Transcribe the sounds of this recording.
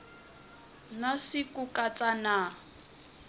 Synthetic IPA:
nasikʼukat͡sʼana

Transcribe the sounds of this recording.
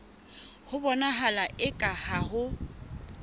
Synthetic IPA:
hʊbɔnaɦalaʔɪkʼahahʊ

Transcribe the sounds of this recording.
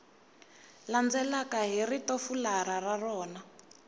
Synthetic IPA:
land͡zɛlakaɦiritɔfulaɾararɔːna

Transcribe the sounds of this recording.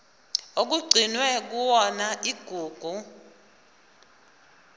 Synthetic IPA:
ok̬uɡ͡ǀʱinwɛk̬uwɔnaʔiɡ̥ʱuːɡ̥ʱu

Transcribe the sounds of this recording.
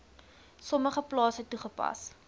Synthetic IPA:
sɔməχəplɑːsɦɛtːuχəpɐ̰s

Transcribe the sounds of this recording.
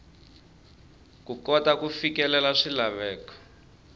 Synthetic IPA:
kukɔtakufikɛlɛlaʂilaβɛːkɔ̥

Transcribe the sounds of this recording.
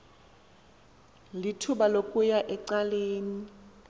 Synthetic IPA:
litʰuɓalokʼujaʔɛǀaleːni

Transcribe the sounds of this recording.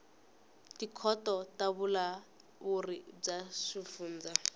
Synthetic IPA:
tikʰɔtɔtaβula | urib͡ʐaʂifuːnd͡za

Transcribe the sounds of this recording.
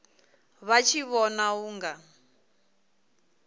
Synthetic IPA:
βat͡ʃʰiβɔnauːŋɡa

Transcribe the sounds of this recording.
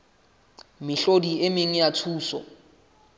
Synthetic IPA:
mɪɬodiemɪŋ̩jatʰuːsɔ̰

